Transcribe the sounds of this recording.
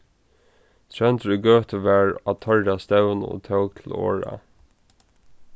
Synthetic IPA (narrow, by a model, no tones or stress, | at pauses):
t̪ʰɹɛnt̪ɾʏɡœːt̪əʋɛːɹat̪ʰœɹt̪ast̪ɛwnɔ̰t̪ʰœwk̚t̪ʰɪlo̰ːɹa̰